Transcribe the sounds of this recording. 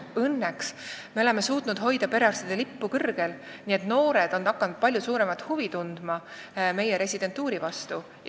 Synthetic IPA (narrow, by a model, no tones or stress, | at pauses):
ɤnːeksme̞o̞le̞me̞suːt̪ˑnud̪̥ɦo̞jd̪̥ɑpe̞ɾeɑrst̪id̪̥elipːukɤrɡ̥elniːe̞t̪no̞ːɾe̞d̪̥o̞nːɑkːɑnud̪̥̚pɑlʲjusuːɾe̞mɑt̪ːˑhuvit̪und̪̥mɑ | me̞jeɾe̞sʲid̪̥e̞nt̪ːˑuːɾivɑst̪u